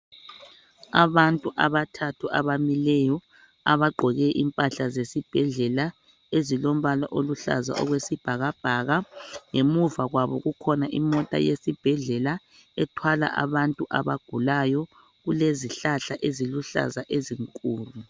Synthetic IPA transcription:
aβantʼuʔaβatʰatʰuʔaβamilɛjɔ | a̰βaɡ͡ǃʱɔɣɛʔimpʼaɬazesib̥ʱɛɮɛla | ezilom̩βala̰ʔoluɬa̰za̰ʔɔ̰ɣwesib̥ʱaɣab̥ʱaɣaŋemuvaɣwaβɔ̰ɣukʰɔnaʔḭmɔtʼa̰jesib̥ʱɛɮɛla | ɛtʰwala̰ʔa̰βantʼuʔaβaɡ̥ʱulajɔ | ɣuleziɬaɬaʔeziluɬa̰zaʔeziŋkʼuːlu

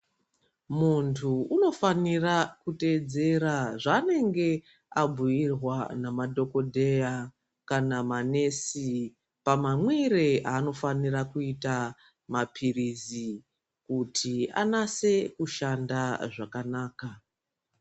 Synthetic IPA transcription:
muntʰuːno̞fanirakute̞d͡ze̞ɾaʐane̞ŋɡe̞ | abʱujirwanamadʱo̞ko̞dʱe̞ja | kanamane̞si | pamamwe̞ɾe̞aːno̞fanirakuita | mapʰirizi | kutʰia̰nase̞kuʃandaʐakanaːka

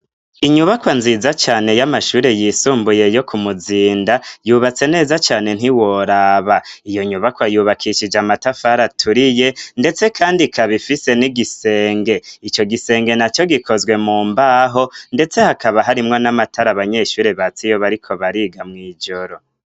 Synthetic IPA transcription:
iɲuβakwanziːzat͡ʃaːne̞jamaʃuːɾe̞jiːsuːmbuje̞jo̞kʰumuziːndajuːβat͡se̞ne̞ːzat͡ʃaːne̞n̥hiwo̞ɾaːβaijo̞ɲuβakwajuːβakʰiʃid͡ʒamatafaɾatʰuɾije̞nde̞t͡se̞kʰaːndikʰaβifise̞niɡise̞ːŋɡe̞it͡ʃo̞ɡise̞ːŋɡe̞nat͡ʃo̞ɡikʰo̞zɡwe̞muːmbaːɦo̞nde̞t͡se̞hakaβaɦaɾimŋo̞namatʰaɾaβaɲe̞ʃuːɾeβat͡sijo̞βaɾikʰo̞βaɾiːɡamŋiːd͡ʒo̞ɾo̞

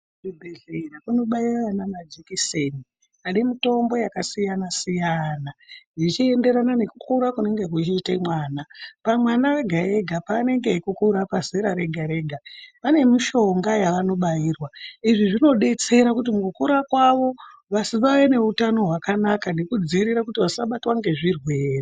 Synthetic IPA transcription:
ibʱeɮerakuno̞ɓairrananad͡ʒikiseni | aɗimito̞mbo̞jakasijanasijanaʐit͡ʃie̞nde̞ɾanane̞kukuɾakune̞ŋɡe̞k̬ut͡ʃiːtemwaːnapamwanaeɡʱae̞ɡʱapaːne̞ŋɡe̞kukuɾapazeɾaɾe̞ɡʱaɾe̞ɡʱapane̞miʃo̞ŋɡajaʋano̞ɓajiːrwaiʐiʐino̞ɗe̞t͡se̞ɾakut̬imukukuɾakwaʋo̞ | ʋasiʋaʋene̞utano̞ɦwakanakanekud͡ziɾiɾakutiʋasaɓatwaŋɡe̞ʐirwe̞ːri

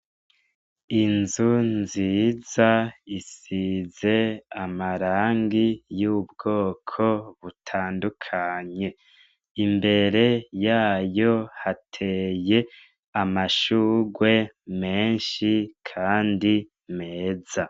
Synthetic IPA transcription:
inzunziːzaisize̞amaɾaːŋɡijuːbɡo̞ːkʰo̞βutʰaːndukʰaɲe̞ | imbe̞ɾe̞jaːjo̞hatʰe̞je̞ | amaʃuːɡwe̞ | meːnʃikʰaːndi | me̞ːza

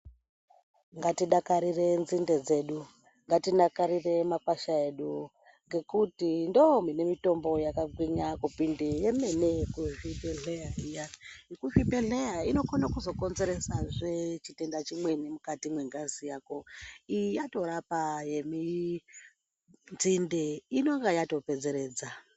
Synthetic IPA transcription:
ŋɡatiɗakaɾire̞nzinde̞d͡ze̞ːɗu | ŋɡatinakaɾire̞makwaʃae̞ɗu | ŋɡe̞kutindomine̞mito̞mbo̞jakaɡʱwiɲakupindejemenekuvipeɮeaijakuvipeɮejaino̞konakuzo̞ko̞nzeɾe̞saʐet͡ʃite̞ndat͡ʃimwe̞nemukatimwe̞ŋɡanzijako̞ijato̞ɾapaje̞mi | nd͡zindeino̞ŋɡajato̞pe̞d͡ze̞ɾe̞ːd͡za

